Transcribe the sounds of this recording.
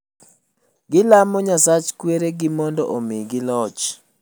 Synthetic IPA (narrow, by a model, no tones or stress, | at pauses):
ɡɪlamɔɲasat͡ʃkweɾeɡɪmɔndɔ̰ʔomeɡɪlɔt͡ʃ